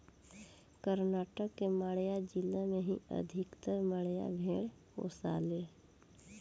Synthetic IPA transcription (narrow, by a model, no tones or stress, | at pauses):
kəɾnaːʈəkːeməɽjad͡ʒɪlamẽɦḭə̰d̪ʱɪkt̪əɾməɽja̰bʱeːɽ | ko̰ːsa̰ːleː